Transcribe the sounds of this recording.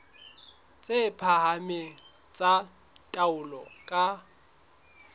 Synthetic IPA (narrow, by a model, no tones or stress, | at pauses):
t͡sʼepʰahamɪt͡sʼa | tʼaʊlɔ̰kʼa